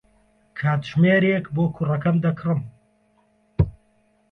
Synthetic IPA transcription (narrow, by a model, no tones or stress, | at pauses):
kʰaːt̪ʒmeːɾeːkboːkʰurɐkɐmd̪ɐkʰrɨm